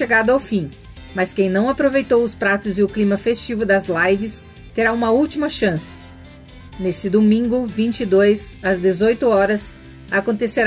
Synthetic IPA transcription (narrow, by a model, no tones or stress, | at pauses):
ʃeɡad̪ʊawfĩ | mɐskẽj̃nɐ̃w̃apɾovejt̪owʊspɾat̪ʊzɪʊklĩmɐfest͡ʃivʊd̪ɐzlajvɪs | t̪eɾaũmɐuwt͡ʃimɐʃɐ̃sɪ̥ | nesɪd̪omĩŋɡʊvĩnt͡ʃid̪ojzɐzd̪ezojt̪ʊɔɾɐs | akõnt̪eseɾ